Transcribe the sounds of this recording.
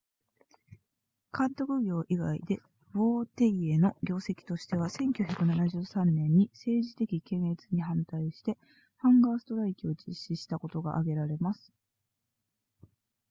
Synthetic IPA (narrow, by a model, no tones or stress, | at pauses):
kʰãnt̪o̞kɯ̟ɡʲo̞ːʔiɡa̰ḭd̪e̞ | β̥oːt̪eieno̞ɡʲo̞ːse̞kʲi̥t̪o̞ɕi̥t̪e̞β̞asẽ̞ŋkʲoːçʲakɯ̟nanaʑɨːsãnːẽ̞ɲ̟ːise̞ːʑit̪e̞kʲikẽ̞ɰ̃e̞t͡sɨɲ̟iɦãnt̪aiɕi̥t̪e̞ | hãŋɡaːsɨ̥t̪o̞ɾaikʲio̞d͡ʑiɕːiɕi̥t̪ako̞t̪o̞ɡa̰ʔaɡe̞ɾaɾe̞masɨ̥